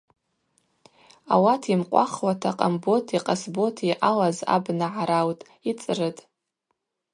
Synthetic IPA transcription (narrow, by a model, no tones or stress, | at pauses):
a̰watʰimqʷʼa̰χwatʰaqʼambo̞tʰiqʼasbo̞tʰiʔalaza̰bnaʕaɾawtʼ | it͡sʼrɨtʼ